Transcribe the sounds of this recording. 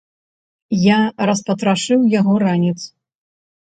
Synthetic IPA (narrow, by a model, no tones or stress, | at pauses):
jaɾɐspɐt̪ɾaʂɨwjaɣɔɾanʲit̪s